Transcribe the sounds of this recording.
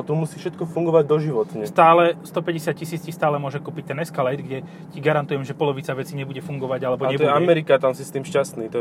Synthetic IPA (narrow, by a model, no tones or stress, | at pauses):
t̪umusiːfʃɛt̪kɔfuŋɡɔʋaɟd̪ɔʒiʋɔt̪ɲɛst̪aːlɛst̪ɔpɛɟɛsɪat̪̚cisiːt͡scixst̪aːlɛmʊɔʒɛkuːpic̚t̪ɛnɛskalɛjd̪ɡɟɛ | ciɡaɾant̪ujɛmʒɛpɔlɔʋit͡saʋɛt͡siɲɛbuɟɛfuŋɡɔʋaɟalɛbɔɲɛɔjɛammɛɾikat̪amsist̪iːmʃcast̪niːt̪ɔ